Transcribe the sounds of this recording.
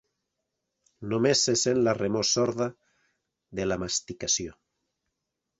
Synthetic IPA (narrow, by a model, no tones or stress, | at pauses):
nomesesenlaremosɔɾða | ðelamast̪ikasjo